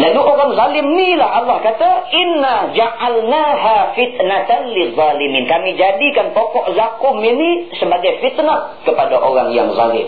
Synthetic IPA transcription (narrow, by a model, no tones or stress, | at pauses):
laluʔoɾaŋzalɪmnilahalːɑhkat̪aʔɪnːad͡ʒaʔalnaɦafit̪nat̪anliðˤːɑlimiːnkamid͡ʒadikanpɔkɔʔzakʊminisəbaɡajfit̪nat | kəpadaʔoɾaŋja̰ŋza̰lɪ̰m